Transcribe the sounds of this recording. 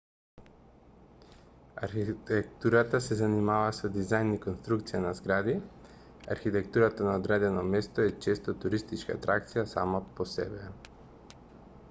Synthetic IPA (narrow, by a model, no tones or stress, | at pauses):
a̰ɾxit̪ɛkt̪uɾat̪asɛzanimavasɔd̪izajnikonst̪ɾukt̪sijanazɡɾad̪i | a̰ɾxit̪ɛkt̪uɾat̪anaod̪ɾɛd̪ɛnɔmɛst̪ɔɛt͡ʃɛst̪ɔt̪uɾist̪it͡ʃka̰t̪ɾak̚t̪sijasa̰maposɛ̰bɛ